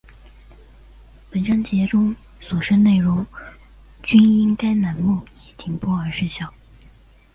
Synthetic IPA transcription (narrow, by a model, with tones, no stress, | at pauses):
pə˨˩nʈ͡ʂɑ˥ŋt͡ɕjɛ˧˥ʈ͡ʂʊ˥ŋ | swɔ˨˩ʂə˥nne˥˩ɪɻʊ˧˥ŋ | t͡ɕy˥ni˥nka˥ɪna˧˥nmu˥˩i˨˩t̪ʰi˧˥ŋpɔ˥˩ə˞˧˥ʂɻ̩˥˧ɕjɑ˥˩ʊ